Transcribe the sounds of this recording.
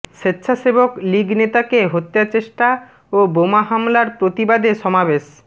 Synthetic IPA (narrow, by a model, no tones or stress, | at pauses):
ʃetːɕʰaʃebokliɡnet̪akeɦot̪ːat͡ɕeʃʈa | obomaɦamlaɾpɾot̪ibad̪eʃɔmabeʃ